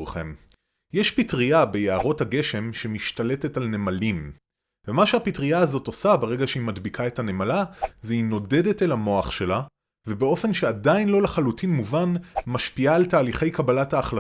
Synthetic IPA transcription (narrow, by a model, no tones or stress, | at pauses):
χe̞̰m | jeʃpitʁiabe̞jeaʁo̞thaɡe̞ʃe̞mʃemiʃtale̞tetalne̞malim | vemaʃeapitʁiaːzo̞to̞sabeʁe̞ɡaʃeimadbikʰae̞thane̞malazeino̞de̞de̞telamo̞aχʃe̞la | vebeo̞fe̞nʃe̞adainlo̞leχalutʰinmuvanmaʃpiaːltaːliχe̞jkabalathaːχla